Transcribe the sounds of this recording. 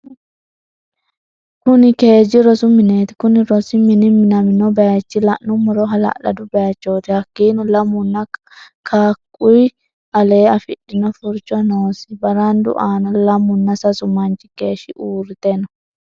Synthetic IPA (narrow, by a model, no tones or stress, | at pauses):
kʊnɪke̞ːd͡ʒɪɾɔsʊmɪne̞ːt̪ɪ̥kʊnɪɾɔsɪmɪnɪmɪnɐmɪnɔbɛjɐt͡ʃːɪlɐʔnːʊmɔɾɔɦɐlɐ̰lɐ̰d̪ʊbɛjɐt͡ʃːoːt̪ɪhɐkːiːnɔlɐmʊnːɐ | kʰaːkʼːʊj | ɐle̞ːɐfɪɗɪnɔfʊɾt͡ʃːɔnoːsɪbɐɾand̪ʊ̰ʔaːnɔlɐmːʊnːɐsɐsʊmɐnt͡ʃɪ̥ke̞ːʃɪʔuːɾɪt̪ɛnɔ